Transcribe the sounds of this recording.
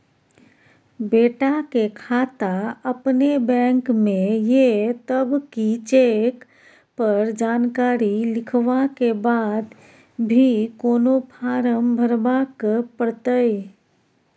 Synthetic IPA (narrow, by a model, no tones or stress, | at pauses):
beːʈakekʰaːt̪aɐpnebɛ̃ːŋkmẽjet̪əbkit͡ʃeːk | pəɾd͡ʒaːnkaːɾilɪkʰʋakebaːd̪ | bʱikoːnopʰaːɾəmbʱəɾbakpəɽt̪əe